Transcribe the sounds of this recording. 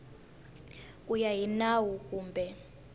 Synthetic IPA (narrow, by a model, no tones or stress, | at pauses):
kʼujaɦinawuk̬ʼuːmbʱɛ